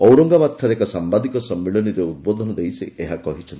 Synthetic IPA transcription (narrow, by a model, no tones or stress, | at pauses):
ɔwɾɔŋɡabat̪ʈʰaɾekɔsambad̪ikɔsɔmːiɭɔniɾeud̪̚bod̪ʱɔnɔd̪ejseʔeɦakɔɦit͡ʃʰɔnt̪i